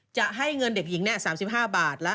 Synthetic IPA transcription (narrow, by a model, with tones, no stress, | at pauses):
t͡ɕa˨˩ʔɦa˥˩jŋɤ˧nde˨˩k̚ji˨˩˦ŋnɛ˥˩saː˩˦msi˨˩p̚ɦaː˥˩baː˨˩t̪̚lɛ˦˥